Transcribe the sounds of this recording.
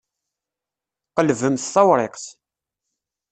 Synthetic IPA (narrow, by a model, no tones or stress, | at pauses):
qəlvəmθːɑwɾˤeqθ